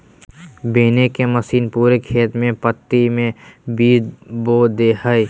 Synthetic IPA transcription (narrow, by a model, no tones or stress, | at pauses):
beːnekemɐsiːnpuːɾekʰeːt̪mẽpət̪ːimẽbiːd̪bod̪eːɦəj